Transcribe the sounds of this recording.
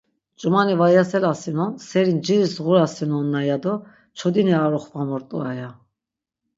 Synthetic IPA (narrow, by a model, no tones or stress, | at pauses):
t͡ʃʼumanivajasɛlasinɔnsɛɾind͡ʒiɾisɣuɾasinɔnːajad̪ɔ | t͡ʃʰɔd̪iniaɾɔχvamɔɾt̪ʼuaja